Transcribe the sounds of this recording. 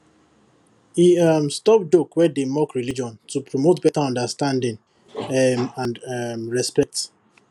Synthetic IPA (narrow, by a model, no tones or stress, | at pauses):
iamstɔp̚dokwɛdemɔkɹilid͡ʒɔ̃ntupɹomotbɛtaɔ̃ndəstãndɪ̃ŋ | ãnmɹɛspɛk̚t